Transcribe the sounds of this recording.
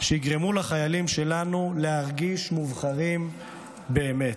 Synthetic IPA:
ʃejiɡʁemulaχajalimʃe̞lanulehaʁɡiʃmuvχaʁim | be̞ːme̞t

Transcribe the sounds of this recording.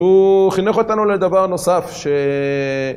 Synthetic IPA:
uχineχo̞t̪anuled̪avaʁno̞safʃe

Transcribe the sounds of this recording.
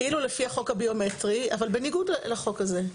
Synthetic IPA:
ilulefiaχo̞khabio̞me̞tʁia̰valbe̞niɡudlaχo̞kaze̞

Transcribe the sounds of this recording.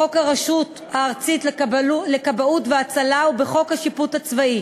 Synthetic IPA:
okaʁaʃut | haːʁt͡sitlkbulekabautveat͡salaubeχo̞khaʃiputhat͡svai

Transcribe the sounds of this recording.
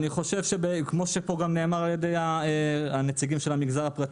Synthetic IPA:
niχo̞ʃevʃebkmo̞ʃepo̞ɡamne̞ːmaʁalje̞d̪e̞jaeanet͡siɡimʃelamiɡzaʁapʁat̪

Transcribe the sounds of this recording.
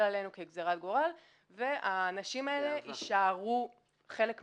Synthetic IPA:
lale̞nukeɡzeʁat̪̚ɡoʁal | ve̞ʔaːnaʃimae̞le̞ʔiʃaːʁu | χe̞lek

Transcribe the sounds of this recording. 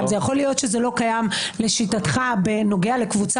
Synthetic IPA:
zejaχo̞lijo̞tʃezelo̞kajamle̞ʃitat̪χabeno̞ɡeale̞kvut͡s

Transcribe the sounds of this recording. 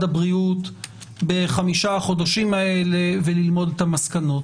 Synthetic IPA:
dabʁiut̪ | be̞χamiʃaχo̞d̪aʃimae̞le̞velilmo̞d̪etamaskano̞t

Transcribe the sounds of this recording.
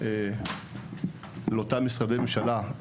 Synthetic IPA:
e | leot̪amisʁad̪ememʃala

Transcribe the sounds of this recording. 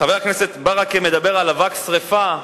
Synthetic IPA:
aveaknese̞t̪baʁakeme̞d̪abeʁalavaksʁefa

